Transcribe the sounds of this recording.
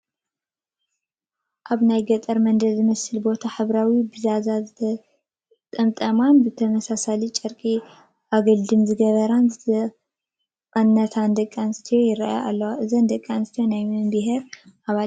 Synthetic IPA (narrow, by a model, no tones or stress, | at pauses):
ʔaβnajɡɐt̪ʼɐɾmɐnd̪ɐd̪zɨmɐsɨlbo̞t̪ʰaħɨβɾawibɨzazazɨt̪ʰɐ | t̪ʼɐmt̪ʼɐmanbɨt̪ʰɐmɐsasalit͡ʃʼɐɾkʼi | ʔaɡɐld̪ɨmzɨɡɐβɐɾanzɨt̪ɐ | qʼɐnːɐt̪ʰand̪ɐkʼːanɨst̪ʰijo̞jɪɾaʔaʔa̰lːɐwaʔɨzɐnd̪ɐkʼːanɨst̪ʰijo̞najmɨmbɨɦɾʔaβal